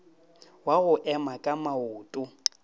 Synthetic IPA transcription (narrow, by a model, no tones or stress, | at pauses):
waɣʊʔɛmakʼamaʊːtʼʊ